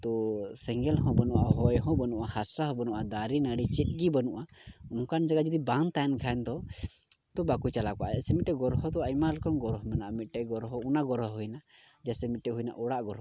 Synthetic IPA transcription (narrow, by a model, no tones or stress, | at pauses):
t̪ɔsɛŋɡɛlɦɔ̃bənuʔa̰ʔɦɔjɦɔ̃bənuʔahasaɦɔ̃bənuʔad̪aɾinaɽit͡ʃɛt̪̚ˀɡibənuʔa | unɔ̃kand͡ʒaɡad͡ʒɔd̪ibant̪ankʰaɛnt̪ɔ | t̪ɔbakut͡ʃalakaʔɛsɛmit̪̚ʈɛɡɔɾɦɔd̪ɔajmaɾlɛkɔnɡɔɾɔɦɔmɛnaʔamit̪̚ʈɛɡɔɾɦɔunaɡɔɾɔɦɦujna | d͡ʒasɛmit̪̚ˀʈɛɦujna̰ʔɔɽaʔɡɔɾɦɔ